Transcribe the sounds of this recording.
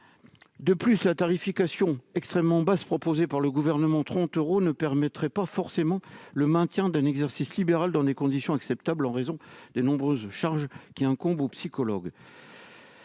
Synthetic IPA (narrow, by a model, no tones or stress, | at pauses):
d̪əplyslat̪aʁifikasjɔ̃ɛkst̪χɛmːɑ̃baspχɔpozepaʁləɡuvɛʁnəmɑ̃t̪χɑ̃t̪øʁonəpɛʁmɛt̪χɛpafɔʁsemɑ̃ləmɛ̃t̪jɛ̃d̪ɛ̃nɛɡzɛʁsislibeʁald̪ɑ̃d̪ekɔ̃d̪isjɔ̃aksɛpt̪ablɑ̃ʁezɔ̃d̪̥enɔ̃bʁøzʃaʁʒkʲiɛ̃kɔ̃bopsikɔlɔɡ